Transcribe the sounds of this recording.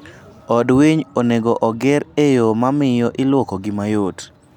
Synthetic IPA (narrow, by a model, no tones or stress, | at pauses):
ɔdwiɲoneɡoʔɔɡɪɾejomamɪjɔʔɪlwokoɡɪmajot